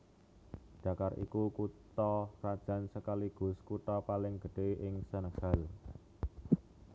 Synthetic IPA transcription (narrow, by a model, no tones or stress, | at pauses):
ɖ̥a̤karʔḭkukut̪ɔrad̥ʒ̥ä̤nsəkaliɡ̥ʊ̤skut̪ɔpalɪŋɡ̥ə̤ɖ̥e̤ʔɪŋsənəɡ̥a̤l